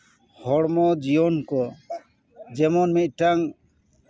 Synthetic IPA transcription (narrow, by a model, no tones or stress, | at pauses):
hɔɽmɔd͡ʒijɔnkɔ | d͡ʒɛmɔnmit̪̚ˀʈaŋ